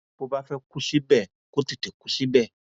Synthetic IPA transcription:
ko˧ba˦fɛ˦ku˧ʃi˦bɛ˦˨ | ko˦ti˦˨te˨ku˨˦ʃi˦bɛ˦˨

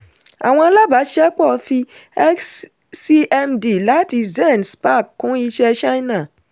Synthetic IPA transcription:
a̰˨w̃ɔ̃˧a˧la˦ba˨˦ʃɛ˦k͡pɔ˦˨˧fi˧ɛ˦ks | si˦ɛ˧mdi˨la˨˦ti˧zɛ̃˦˨nspa˦˨kkũ˨˦i˧ʃɛ˧ʃa˦nã˦˨

